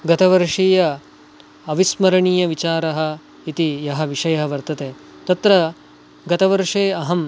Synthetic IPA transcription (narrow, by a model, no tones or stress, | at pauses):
ɡɐt̪ɐʋɐɾʂiːjɐ | ɐʋismɐɾɐɳiːjɐʋit͡ʃaːɾɐɦɐ̆ | it̪ijɐɦɐ̆ʋiʂɐjɐɦɐʋɐɾt̪ɐt̪eː | t̪ɐt̪ɾɐ | ɡɐt̪ɐʋɐɾʂeːɐɦɐm